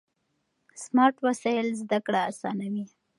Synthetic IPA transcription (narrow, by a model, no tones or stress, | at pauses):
smɑɾʈwasɑjlzd̪akɽaːsɑ̰nawi